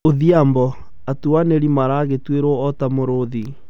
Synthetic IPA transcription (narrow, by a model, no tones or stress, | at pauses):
oðiambɔ | atuaneɾimaɾaːɣetweɾwɔɔtamoɾoði